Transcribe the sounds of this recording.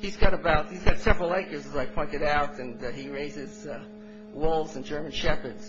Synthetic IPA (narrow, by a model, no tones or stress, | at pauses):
izɡɑɾəbaʊt̚hizɡɑtsɛvɹl̩ˠaɪkə˞zəzaɪpʰɔ̃ɪ̃ntɨɾaʊɾɨ̃niɹeɪzɪz | wʊlˠvzɨ̃nd͡ʒɜ˞mɨ̃nʃɛpə˞dz̥